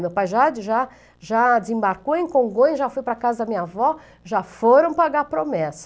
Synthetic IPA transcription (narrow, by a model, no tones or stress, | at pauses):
mewpajʒad͡ʒɪʒa | ʒad͡ʒɪzẽbaɾkoẽkõɡõj̃ʒafojpɾɐkazɐd̪ɐmĩɲɐvɔ | ʒafoɾɐ̃w̃paɡapɾomɛsɐ